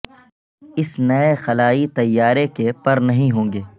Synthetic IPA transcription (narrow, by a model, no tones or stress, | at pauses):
ɪsnɐexɐlaːit̪ɐjːaːɾekepɐɾnɐɦĩɦõːŋɡeː